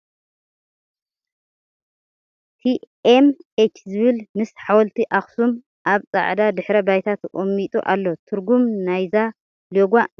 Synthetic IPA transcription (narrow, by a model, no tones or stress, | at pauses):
t̪ʰiʔemʔet͡ʃzɨβɨlmɨsħawɔlt̪ʰiʔaxsum | ʔaβt͡sʼa̰ʕd̪ad̪ɨħɾɐbajt̪ʰat̪ʔʼomːit̪ʼṵʔa̰lːo̞t̪ʰɨɾɡumnajza | loɡʷa